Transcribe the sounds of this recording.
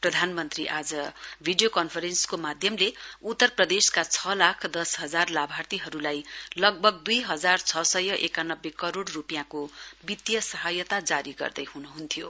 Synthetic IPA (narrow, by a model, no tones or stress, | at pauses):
prʌd̪ʱanmʌnt̪riʔad͡zʌbʱiɖijokʌnpʰʌɾenskomad̪ʱjʌmleut̪ːʌrprʌd̪eskat͡sʰʌlakʰd̪ʌsɦʌd͡zarlabʱart̪iɦʌɾulajlʌɡ̚bʱʌɡ̚d̪ujɦʌd͡zart͡sʰʌsʌjʌʔekanʌbːekʌɾoɽrupijãkobit̪jʌsʌɦʌjʌt̪ad͡zaɾiɡʌ̰rd̪ʌjɦunuɦunt̪ʰijo